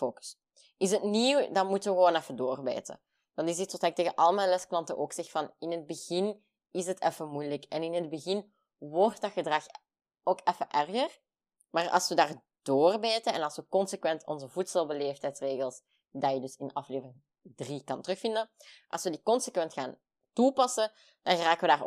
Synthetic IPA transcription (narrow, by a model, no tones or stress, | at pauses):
foːks | ɪsətniwdɑnmutəʋəɣəʋoːnɛfədoːrbḛːtə̰ | d̥ɑnɪsitsotɛk̚teːɣəʔɑlˠəmɛnlɛsklɑntəʔoːksɛxfɑnɪnɦəd̚bəɣɪn | ɪsɦətʰɛfəmujləkɛnɪnɦəd̚bəɣɪn | ʋɔrtdɑxədrɑx | oːkɛfəʔɛrɣər | maːrɑ̰lˠsʋədaːr | d̥oːrbeːtəɛnɑlˠsʋəkɔnsəkʋɛntɔ̰nzəvutsəlˠbəleːftɛjtsreːɣəlˠs | daːjədɵsɪnɑfleːvərɪŋ | drikɑntrɵxfɪndə | ʔɑlˠsʋədikɔnsəkʋɛntxaːn | tupɑsə | d̥ɑnɣraːkəʋədaːr